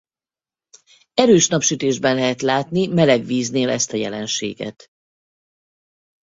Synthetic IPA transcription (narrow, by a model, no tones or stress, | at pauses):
ɛɾøːʃnɒpʃyt̪eːʒbɛnlɛɦɛt̪laːt̪nimɛlɛɡviːzneːlɛst̪ɒjɛ̰lɛnʃḛːɡɛ̰t̪